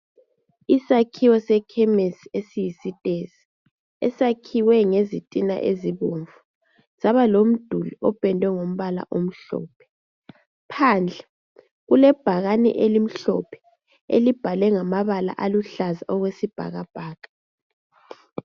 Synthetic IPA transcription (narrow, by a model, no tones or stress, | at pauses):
isakʰiwɔsɛkʰɛmesiesijisitʼezi̥ | ɛsakʰiwɛŋezitʼina̰ʔeziβuɱvu | z̥aβalom̩d̥ʱuliɔb̥ʱʼɛndʱwɛŋom̩βala̰ʔom̩ɬɔ̰ːpʰɛ̥ | pʰaːnd͡ɮʱɛ | ɣulɛb̥ʱaɣanɛ̰ʔelim̩ɬɔ̰pʰɛ̥ | ḛlib̥ʱalɛŋamaβala̰ʔaluɬaza̰ɔɣwesib̥ʱa̰ɣab̥ʱaːkʼḁ